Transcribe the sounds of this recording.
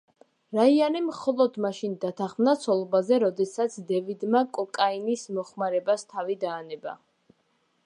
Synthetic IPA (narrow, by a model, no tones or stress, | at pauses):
ɾaianimχɔlˠɔd̪maʃind̪at̪ʰaχmnat̪sʰɔlˠɔbazɛɾɔd̪ɛsat̪sʰd̪ɛvid̪makʼɔkʼainismɔχmaɾɛbast̪ʰavid̪aːnɛba̰